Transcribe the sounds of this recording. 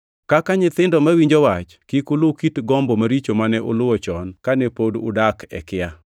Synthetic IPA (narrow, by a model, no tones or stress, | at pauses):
kakaɲɪt̪ɪndɔmawiɲd͡ʒowat͡ʃkikʊlʊkitɡɔmbomaɾit͡ʃomanɛʔʊlʊwɔt͡ʃɔnkanɛpodʊ̰dakɛ̰kɪja